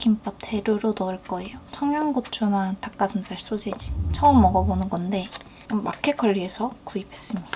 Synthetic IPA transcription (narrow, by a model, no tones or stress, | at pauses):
kʰimpʌtʰeɾuɾonʌɯɭk͈ʌejot͡ɕʰʌŋjʌnɡotʰumantak͈asʰɯmsʰaɭs͈od͡ʑed͡ʑit͡ɕʰʌɯmːʌɡʌbonɯnɡʌnde̞ | mmːa̰kʰe̞kʌʎːiɦe̞sʰʌkuipʰe̞s͈ɯmɲid̥a